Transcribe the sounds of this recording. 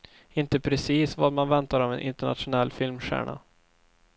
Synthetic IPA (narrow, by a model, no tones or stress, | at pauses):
ɪnt̪əpʰɾɛsiːsvad̪manvɛnt̪aɾɔvɛnʔɪ̰nt̪əɳa̰t̪ɧʊnɛlːfɪlmɧæ̰ːɳa̰